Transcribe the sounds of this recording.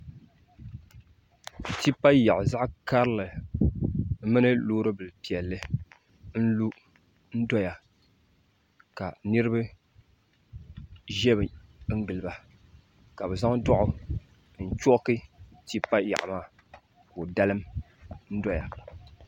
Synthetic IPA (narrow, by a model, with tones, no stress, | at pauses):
ti˦pa˦ja˨ʔʊ˨za˦ʔka˦ɾɨ˦lɨ˨˦ | mɨ˦nɨ˦loː˦ɾɨ˦bɨ˨lpi˨ɛ˨lːɨ˦ | n̩˦lu˦ | n̩˦dɔ˦ja˨ | ka˨nɨ˦ɾɨ˦bɨ˦ | ʒɛ˦bɨ˨ŋ̩˦ɡɨ˨lɨ˨ba˨ | ka˨bɛ˨za˦ŋdʊ˦ʔʊ˨ | n̩˨t͡ʃo˦kɨ˦ti˦pa˦ja̰˨ʔmaː˦ | ko˨da˦lɨ˦m | n̩˦dɔ˦ja˨